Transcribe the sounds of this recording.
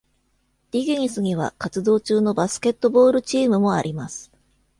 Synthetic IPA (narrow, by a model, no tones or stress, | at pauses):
d̪̥ʲiɡʲiɲ̟isɨŋ̟ʲiβ̞a̰kat͡sɨd̪o̞ːt͡ɕɨːno̞basɨ̥ke̞t̪ːo̞bo̞ːɾɯ̟t͡ɕiːmɯ̟mo̞aɾʲimasɨ̥